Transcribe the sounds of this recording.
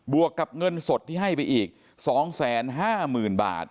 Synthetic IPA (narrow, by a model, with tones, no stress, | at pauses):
bu˨˩əkːa˨˩p̚ŋɤ˧nso˨˩t̪̚ʰːiː˥˩ɦa˥˩jpa˧jʔiː˨˩k̚ | sɔː˩˦ŋsɛː˩˦nɦaː˥˩mɯː˨˩nba̰ː˨˩t̪̚